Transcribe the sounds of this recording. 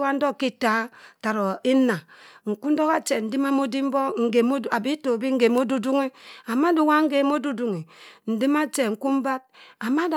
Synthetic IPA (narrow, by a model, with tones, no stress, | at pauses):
wa˦n̩˦do˦ki˦ta˦ta˨ɾo˨i˦na˨ŋ̩˨ku˦n̩˦do˦ka˦t͡ʃe˨n̩˨di˦ma˦mo˦di˦m̩˦bɔ˦ŋ̩˨ɡe˨m˦a˨bi˦to˨bi˦ŋ̩˦ɡe˨mo˦du˦du˦ŋe˦a˨ma˦di˨˦wa˦ŋ̩˦ɡe˨mo˦du˦du˨ŋi˨n̩˨di˦ma˦t͡ʃe˨ŋ̩˨ku˦m̩˦ba˦t̚a˨ma˦da˨